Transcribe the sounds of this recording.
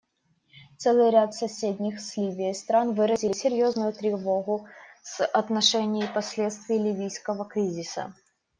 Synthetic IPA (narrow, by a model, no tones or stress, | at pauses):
t̪sɛlˠɨjɾʲat̪sɐsʲedʲnʲɪxslʲivʲɪjəst̪ɾanvɨɾəzʲɪlʲɪsʲɪɾʲjo̞znʊjʊt̪ɾʲɪvo̞ɣʊsɐt̪nɐʂɛnʲɪjɪpɐsʲlʲet̪st̪vʲɪjlʲɪvʲijskəvəkɾʲizʲɪsə̰